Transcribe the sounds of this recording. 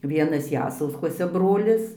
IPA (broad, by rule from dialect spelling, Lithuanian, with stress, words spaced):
ˈʋʲiɛnɐs ˈjæːsɐʊskuɔsʲɛ ˈbroːlʲɪs